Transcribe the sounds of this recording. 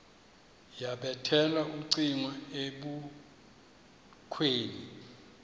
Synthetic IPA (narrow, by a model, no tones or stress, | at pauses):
jaɓɛtʰɛlaʔuǀiŋwaeɓu | kʰweːni